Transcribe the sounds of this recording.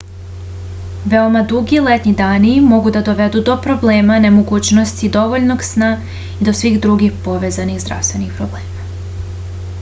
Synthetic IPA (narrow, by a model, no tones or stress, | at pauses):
ʋeomad̪uɡilet̪ɲid̪aːnimo̞ɡud̪ad̪o̞ʋed̪ud̪o̞pɾo̞ble̞ːmane̞moɡuːt͡ɕno̞st̪id̪o̞ʋoʎno̞ɡsna | id̪o̞sʋiɣd̪ɾuɡixpo̞ʋe̞ːzaniɣzd̪ɾa̰ʋst̪ʋe̞nixpɾobleːma